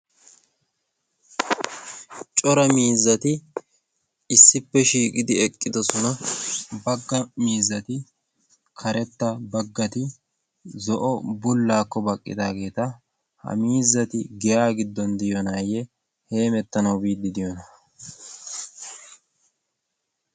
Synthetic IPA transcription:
t͡ʃʼɔɾɐmiːzːɐt̪ɪ | ɪsːɪpːɛʃiːkʼɪd̪ɪɛkʼːɪd̪ɔsɔnɐbɐɡːɐmiːzːɐt̪ɪ | kʰɐɾɛt̪ːɐbɐɡːɐt̪ɪ | zɔʔɔbʊlːaːkːɔbɐkʼːɪ̰d̪aːɡe̞ːt̪ɐ | hɐ̰miːzːɐt̪ɪɡɛjaːɡɪd̪ːɔnd̪ɪjɔnaːjɛ | he̞ːmɛt̪ːɐnɐwbiːd̪ːɪd̪ɪjɔnɐ

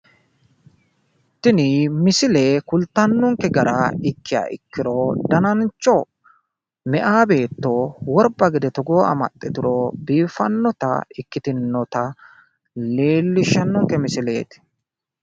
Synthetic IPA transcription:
ɪt̪ːɪnimɪsɪleːkʊlt̪ɐnːɔŋkɛɡɐɾaːɪkːɪja̰ːʔɪkːɪɾoːd̪ɐnɐnt͡ʃːɔ | mɛʔaːbe̞ːt̪ːo̞ːwɔɾbɐɡɪd̪ɛt̪ɔɡoːɐ̰mɐ̰t̪ʼːɛt̪ɪɾoːbiːfɐnːɔt̪ɐ̰ɪkːɪt̪ɪnːɔt̪ɐ | le̞ːlːɪʃɐnːɔŋkɛmɪsɪlḛːt̪ɪ̥

